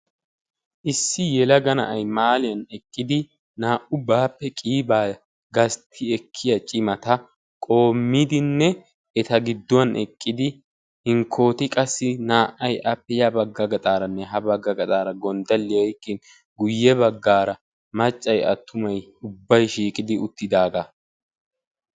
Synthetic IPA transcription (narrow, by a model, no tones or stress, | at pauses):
ʔɪsːɪjɛlɐɡɐnɐ̰ʔɐjmaːlɪjɐnɛkʼːɪd̪ɪ | naːʔʊbaːpːɛkʼiːbaː | ɡɐst̪ʰːɪɛkʰːɪjɐt͡ʃʼɪmɐt̪ɐ | kʼo̞ːmːid̪ɪnːɛ | ɛt̪ɐɡɪd̪ːʊwɐnʔɛkʼːɪd̪ɪ | hɪŋkʰːo̞ːt̪ɪkʼɐsːɪnaːʔɐjʔɐpːɛjɐbɐɡːɐɡɐt̪ʼaːɾɐnːɛɦɐbɐɡːɐɡɐt̪ʼaːɾɐɡɔnd̪ɐlːɪjɛjkːɪn | ɡʊjːɛβɐɡːaːɾɐ | mɐt͡ʃʼːɐjɐ̰t̪ʰːʊmɐj | ʊbːɐjʃiːkʼɪd̪ɪʊt̪ːɪd̪aːɡɐ